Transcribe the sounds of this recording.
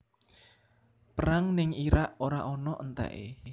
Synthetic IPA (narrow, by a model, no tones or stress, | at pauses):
pəɾaŋnɪŋiɾaʔoɾaʔɔnɔʔənt̪ɛ̰ʔḛ